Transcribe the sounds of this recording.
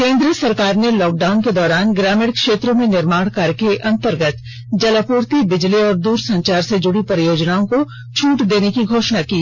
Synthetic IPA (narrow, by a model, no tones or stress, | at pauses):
kẽːnd̪ɾiəsɐɾkaːɾnelɔːk̚ɖaːʊnked̪ɔːɾaːnɡɾaːmɪɖkʃeːt̪ɾõmẽnɪɾmaːɽ̃kaɾkeʔɐ̃nt̪əɾɡət̪ | d͡ʒɐləpuːɾt̪ibɪd͡ʒliɔːɾd̪uːɾsɐ̃ɲt͡ʃaːɾsed͡ʒʊɽipɾəjoːd͡ʒnaːõko | t͡ʃʰuːʈd̪eːnekiɡʱoːʃnakiː